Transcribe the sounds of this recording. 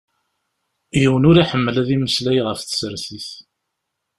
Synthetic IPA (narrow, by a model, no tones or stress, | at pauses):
jiwənʊɾaħəmːəlæðiməslæjʁəfθə̥səɾθiθ